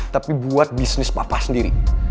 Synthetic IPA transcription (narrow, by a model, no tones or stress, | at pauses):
t̪apibuat̪̚bisnɪspapasəndiɾḭ